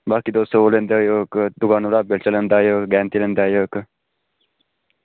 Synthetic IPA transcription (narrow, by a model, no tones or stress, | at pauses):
baːkid̪oːst̪oolend̪ajoːkd̪uɡaːnuɾaːbelt͡ʃələnd̪aːjoːkɡɛːnt̪ilənd̪aːjoːk